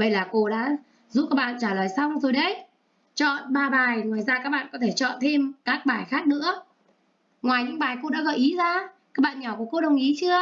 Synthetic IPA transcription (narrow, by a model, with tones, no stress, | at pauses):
ɓə˦˧˩jlaː˨˩ko˧ɗa̰ː˧˥ | zu˦˥p̚kaː˦˥k̚ɓa̰ː˧˨nt͡ɕaː˧˩ləː˨˩jsa˧wŋ͡mzo˨˩jɗə˨˦j | t͡ɕɔ̰˧˨nɓaː˧ɓaː˨˩jŋwaː˨˩jzaː˧kaː˦˥k̚ɓa̰ː˧˨nkɔ˨˦t̪ʰe˧˩t͡ɕɔ̰˧˨nt̪ʰe˧mkaː˦˥k̚ɓaː˨˩jxaː˦˥k̚nɨ̰˧˥ə | ŋwaː˨˩jɲɨ̰˧˥ŋɓaː˨˩jko˧ɗa̰ː˧˥ɣə̰˧˩jʔi˨˦zaː˧kaː˦˥k̚ɓaː˧˨nɲɔ˨˩wku˧˩əko˧ɗə˨˩wŋ͡mʔi˨˦t͡ɕɨ˧ə